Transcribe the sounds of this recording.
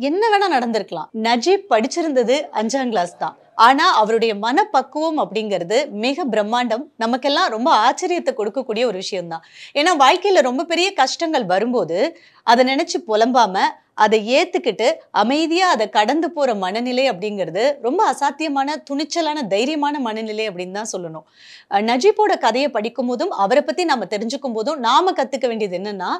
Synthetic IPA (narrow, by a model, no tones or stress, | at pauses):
ɛnːɐʋeːnãːnɐɽɐnd̪ɯɾɯkːɐɭã̰ːnɐd͡ʒibpːɐɽɪt͡ʃːɪɾɯnd̪ɐðɯɐɲd͡ʒaːŋɡɭaːst̪ã̰ː | aːnaːɐʋɐɾɯɽɐjɐmɐnɐpːɐkːɯʋɯmɐpːɐɽɪŋɡɐɾɐðɯmɪɣɐbɪɾɐmːaːɳɖɐmnɐmɐkːɛlːãːɾɔmbɐaːt͡ʃːɐɾɪjɐt̪ːɛkɔɽɯkːɐkːuːɽɪjɐɔɾɯʋɪʂɐjɐmt̪ãːeːnːaːʋaːɻkɐjɪlɐɾɔmbɐpɛɾɪjɐkɐʂʈɐŋɡɐɭʋɐɾɯmpoːðɯ | ʔɐðɐnɪnɛt͡ʃːɯpɔlɐmbaːmɐ | ʔɐðɛeːt̪ːɯkːɪʈːɯʔɐmɐɪðɪjaːɐðɐkɐɽɐnd̪ɯpoːɾɐmɐnɐnɪlɐɪɐpːɐɽɪŋɡɐɾɐðɯɾɔmbɐːsaːt̪ːɪjɐmaːnɐt̪ʊɳɪt͡ʃːɐlaːnɐd̪ɐjɪɾɪjɐmaːnɐmɐnɐnɪlɐɪɐpːɐɽɪnːɯt̪ãːsɔlːɐnõː | nɐd͡ʒɪpːoːɽɐkɐðɐjɐpɐɽɪkːɯmpoːðɯmɐʋɐɾɛpːɐt̪ːinaːmːɐt̪ɛɾɪɲd͡ʒɯkːɯmpoːðʊ̃naːmɐkɐt̪ːɯkːɐʋeːɳɖɪjɐðɯɛnːɐnːaː